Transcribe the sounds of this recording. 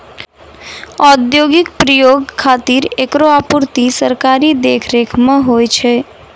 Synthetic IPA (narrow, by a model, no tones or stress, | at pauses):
ɔd̪joːɡɪkpɾəjoːɡkʰːaːt̪iɾeːkɾoaːpuɾt̪isəɾkaːɾid̪eːkʰɾeːkʰmãɦoːjt͡ʃʰeː